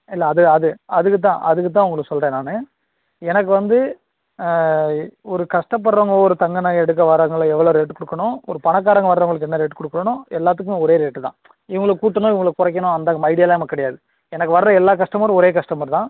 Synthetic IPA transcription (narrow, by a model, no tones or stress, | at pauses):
ɪlːɐːðɯɐðɯɐðɯkːɯt̪ːãːʔɐðɯkːɯt̪̬ːãːʊŋɡɐɭɯkːɯsɔlrɾɐːnaːnɯ | ɛnɐk̬ːɯʋɐnd̪ɯ | ɔɾɯkɐʂʈɐp̬ːɐɽɾɐːŋɡɐɭoːɔɾɯt̪ɐŋɡɐnɐɛɽɯk̬ːɐʋɐɾɐŋɡɐɭɛʋːɐɭoːɾeːʈːɯkɔɽɯkːɐɳõɔɾɯpɐɳɐk̬ːaːɾɐŋɡɐʋɐɾɾɐʋɐŋɡɐɭɯk̬ːɛnːɐɾeːʈːɯkɔɽɯkːɐɾɐɳʊ̃ːɛlːaːt̪ːɯkːɯmeːɔɾeːɾeːʈːɯt̪ã̰ː | ɪʋɐŋɡɐɭɯkuːʈːɐnõːɪʋɐŋɡɐɭkːɯkʊrɐkːɐnõːɐnd̪aːɐmɐɪɽɪjaːlaːɐmɐkːɐɽɐjaːðɯ | ɛnɐk̬ːɯʋɐɾɐɾɐ̃ɛlːaːkɐʂʈɐmɐɾ̃ɔɾeːkɐʂʈɐmɐɾt̪ãː